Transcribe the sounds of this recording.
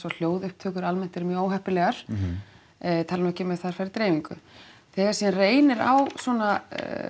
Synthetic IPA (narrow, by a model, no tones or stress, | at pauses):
sɔl̥joːwðʏhp̚t̪ʰœːkʏɾalmɛn̥t̪ɛɾmjœːoːwɦɛhpɪlɛːɣaɾ̥ | t̪ʰaːlnɛhcːɪmɛðθaɾ̥faɾɪt̪ɾejviŋkʏ̰θɛːɣḁɾsiːanreːjnɪɾa̰wswɔna